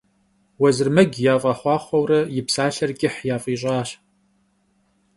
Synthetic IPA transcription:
wɐzɨrmɐɡʲjaːfʼɐχʷɑːχʷɔwrɐjɪpsaːɬɐrkʲʼɪħjaːfʼiːɕ̬ʼɑːɕ

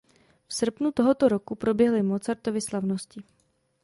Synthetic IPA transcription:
fsr̩pnut̪o̞ɦo̞t̪oɾo̞kupɾo̞bjɛɦlɪmot͡saɾt̪o̞vɪslavnoscɪ

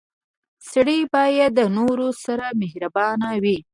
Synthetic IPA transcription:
sɽəbɑjad̪̚ːənoɾosaɾamehɾabɑnawi

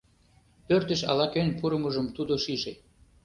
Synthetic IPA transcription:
pørt̪ə̆ʃɑ̰lɑkønʲpuɾə̆məʒəmt̪ud̪oʃiʒe

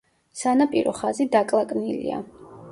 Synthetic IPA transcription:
sanapʼiɾɔχazid̪akʼlˠakʼnilḭa̰

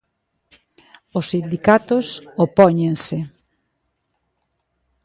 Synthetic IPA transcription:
ʊsːind̪ikat̪ʊsopɔɲẽŋsɪ

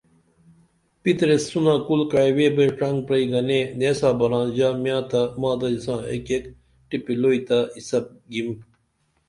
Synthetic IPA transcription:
pit̪ɾesːunãːkulkajweːbeʈ͡ʂɐŋɡ̚pɾɐiɡɐneneːsaːbɐɾãːnd͡ʑaːmjãːt̪amãːd̪ɐlisãːḛkek | ʈipiloːit̪aisɐp̚ɡim

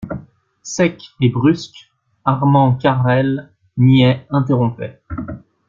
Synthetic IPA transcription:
sɛkebʁysk | aʁmɑ̃kaʁɛl | njɛɛ̃t̪eʁɔ̃pɛ

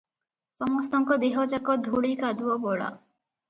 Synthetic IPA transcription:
sɔmɔst̪ɔŋkɔd̪eɦɔd͡ʒakɔd̪ʱuɽikad̪uɔbɔɭa̰

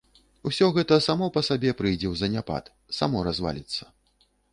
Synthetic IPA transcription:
usʲɔɣɛt̪ɐsamɔpɐsabʲɛpɾɨjd͡zʲɛwzɐnʲapa̰t̪ | sa̰mɔɾazva̰lʲit̪sːɐ̥

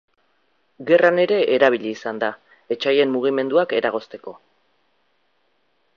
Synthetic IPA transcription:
ɡe̞rane̞ɾe̞ʔeɾaβ̞iʎiːsand̪a | e̞t͡ʃaje̞mːuɣ̞ime̞nd̪uake̞ɾaɣ̞o̞st̪e̞ko̞

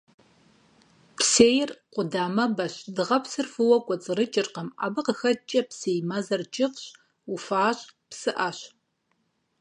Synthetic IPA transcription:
pseːjɪrqʷʊdaːmɐbɐɕdɨʁɐpsɨrfɨwɐkʷʼɔt͡sʼɨrɨt͡ʃʼɪrqɐma̰ːbɨqəxɐt͡ʃʼɐpseːjmɐzɐrt͡ʃʼɪqɕ | ufaːɕʼpsɨʔaɕ

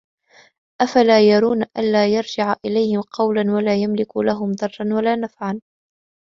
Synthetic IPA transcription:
ʔafalaːjɑɾˤuːnaʔa̰nlaːjɑɾˤd͡ʒɪʕaʔɪlajhɪmqɑwlanwalaːjamlɪkṵlaɦʊmd̪ˤɑrˤːɑnwalaːnafʕan

